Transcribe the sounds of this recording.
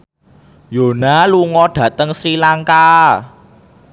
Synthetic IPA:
jo̤naluŋɔɖ̥ä̤t̪əŋsɾilaŋka

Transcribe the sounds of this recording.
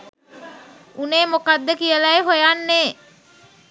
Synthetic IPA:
uneːmokad̪ːəkijəlajɦojanːeː

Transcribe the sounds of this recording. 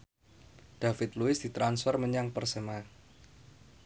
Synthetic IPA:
d̥afɪt̪luɪsd̥it̪ɾansfərməɲaŋpərsəma

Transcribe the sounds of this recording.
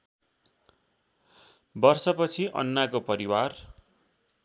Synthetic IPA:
bʌrsʌpʌt͡sʰiʔʌ̰nːakopʌɾiwar

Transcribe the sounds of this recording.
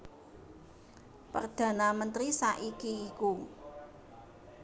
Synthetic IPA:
pə̰rd̪̥ä̤namənt̪ɾisaʔikiːku

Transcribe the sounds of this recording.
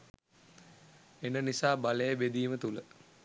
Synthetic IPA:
enənisaːbaləjəbed̪iːmət̪ulə

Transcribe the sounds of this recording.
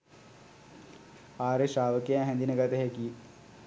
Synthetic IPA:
aːɾeʃaːʋəkejaɦɛnd̪inəkat̪eɦeki

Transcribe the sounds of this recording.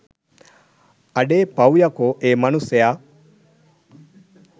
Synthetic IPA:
ɐɖeːpɐwjɐkoʔeːmɐnusɐja

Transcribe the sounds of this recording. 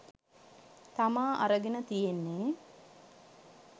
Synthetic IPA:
t̪amaːʔa̰ɾəɡenət̪ijenːe

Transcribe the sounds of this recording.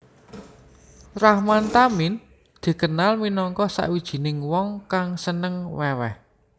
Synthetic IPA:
rahmant̪amin | d̪̥i̤kənalminɔŋkɔsa̰ʔwid̥ʒ̥i̤nɪŋwɔŋkaŋsənəŋwɛwɛ̰h

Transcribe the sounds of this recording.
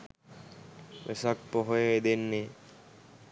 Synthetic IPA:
ʋḛsak̚poɦojeːd̪enːe

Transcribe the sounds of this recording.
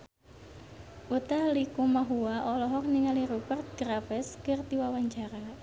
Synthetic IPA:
ʔut̪ahlikumaɦuaʔɔlɔɦɔk̚niŋaliɾubərt̪̚ɡ̥ɾafɛskərt̪iwawaɲt͡ʃaɾa

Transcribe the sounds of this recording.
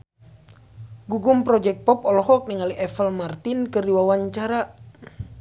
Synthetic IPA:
ɡuɡumpɾɔd͡ʒɛk̚t̪̚pɔpɔlɔɦɔk̚niŋaliʔɛfəlmart̪inkɨrdiwawaɲt͡ʃaɾa

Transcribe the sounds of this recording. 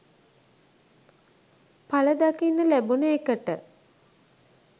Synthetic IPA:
paləd̪akinːəlæbunəekəʈə

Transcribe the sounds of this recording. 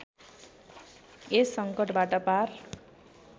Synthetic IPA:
esʌŋkʌʈbaʈʌpar

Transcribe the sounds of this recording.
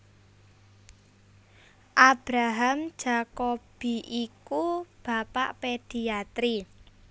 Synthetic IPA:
ʔab̥ɾaɦam̥ʒ̥a̤kob̥i̤ʔikub̥a̤pa̰ʔped̥i̤at̪ɾi

